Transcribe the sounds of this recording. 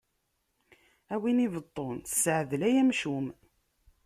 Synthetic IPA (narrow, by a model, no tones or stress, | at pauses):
æwinivət̪ˤːonsːəʕðlæjæmʃum